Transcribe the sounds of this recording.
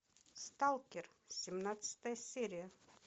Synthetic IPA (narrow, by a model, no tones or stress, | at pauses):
st̪alˠkiɾsʲimnat̪st̪ɛjsːiːɾʲija